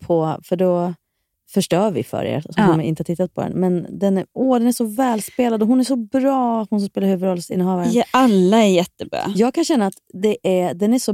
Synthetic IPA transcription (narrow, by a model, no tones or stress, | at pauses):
pʰɔfœɖɔ | fœʂʈœːɾvɪ̰fœ̰ɾḛːɾsɔɔmɪnt̪əhat̪ʰɪt̪ːat̪̚pʰɔd̪ɛ̰nmɛnd̪ɛnæɔːd̪ɛnæʂɔvɛːlspeːlad̪ɔɦʊnæʂɔbɾɑːat̪hʊns̬kspeːlɾhʉːvɵd̪ɾɔlːst̪ɪ̰nːəhɑːvaɾalːaæɾjɛt̪ːəbɾɑ̰ːjɑːɡ̚kʰanɕɛnːaːt̪d̪ɛʔæd̪ɛnæʂɔ